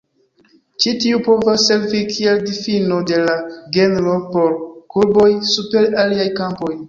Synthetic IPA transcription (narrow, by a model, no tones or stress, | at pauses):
t͡ʃitiupo̞vasːe̞ɾvikʰie̞ldifinode̞laɡenɾo̞po̞ɾkuɾbo̞jsupe̞ɾaliajkampo̞j